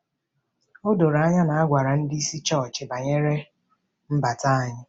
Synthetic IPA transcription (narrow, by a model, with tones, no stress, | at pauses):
ʊ˦do˨ɾa˦ɲa˦na˨a˦ɡʷa˨ɾa˨n̩˦dɪ˦i˦si˦t͡ʃɔ˦˨t͡ʃɪ˨ba˨ɲe˦ɾe˦ | m̩˦ba˨ta˦a˨ɲɪ˦